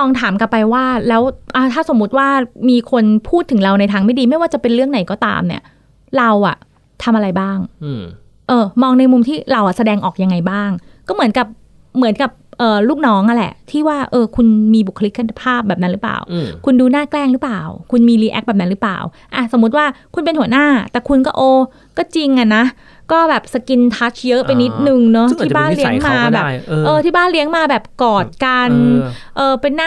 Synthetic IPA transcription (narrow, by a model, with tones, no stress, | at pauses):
tɔː˧ŋt̪ʰaː˩˦mka˧pa˧jwaː˥˩lɛː˦˥wʔa˧˩t̪ʰaː˥˩so˩˦mːu˦˥t̪̚waː˥˩miː˧kʰo˧npʰuː˥˩t̪ʰːɯ˩˦ɾa˧wna˧jt̪ʰaː˧ŋma˥˩jdiː˧ma˥˩jwaː˥˩t͡ɕa˨˩pe˧nɾɯ˥˩əŋna˨˩˦jkɔː˥˩t̪a̰ː˧mnḭ˦˥˩ɐ | ɾa˧wʔa̰˨˩ | t̪ʰa˧mʔa˧ɾa˧jbaː˥˩ŋ | ʔɤː˧mɔː˧ŋna˧jmu˧mt̪ʰiː˥˩ɾa˧wʔa˨˩sa˧dɛː˧ŋʔɔ̰ː˨˩k̚ja˧ŋːa˧jbaː˥˩ŋkɔː˥˩mɯ˩˦ə˦nka˨˩p̚ | mɯ˩˦ənka˨˩p̚ʔɤː˨˩luː˥˩k̚nɔː˦˥ŋʔa˧lɛ̰˨˩ʔt̪ʰiː˥˩waː˥˩ʔɤː˧kʰu˧nmiː˧bu˨˩kʰːa˧li˦˥kʰa˧t̪a˧˩pʰaː˥˩p̚bɛː˨˩p̚na˦˥nɾɯ˩˦˥pa̰ː˨˩wkʰu˧nduː˧naː˥˩klɛː˥˩ŋɾɯ˦˥plaː˨˩wkʰu˧nmiː˧liː˧˩ʔɛ̰˧˦˥k̚bɛː˨˩p̚na˦˥nɾɯ˩˦˥pla̰ː˨˩w | ʔa˧˩so˩˦mːu˦˥t̪̚waː˥˩kʰu˧npe˧nhu˩˦naː˥˩t̪ɛː˨˩kʰu˧nkɔː˥˩ʔoː˧ | kɔː˥˩t͡ɕi˧ŋʔa˨˩na˦˥ | kɔː˥˩bɛː˨˩p̚sa˧ki˧nt̪ʰaː˦˥t͡ɕjɤ˦˥ʔpe˧nːi˦˥t̪̚nɯ˨˩ŋnɔ˦˥t̪ʰiː˥˩baː˧˥˩nli˦ə˨ŋŋmaː˧bɛː˨˩˧ʔɤː˧iː˥˩baː˥˩nli˦˥əŋmaː˧bɛː˨˩p̚kɔː˨˩t̪̚ka˧n | ʔɤː˨˩pe˧nːa˥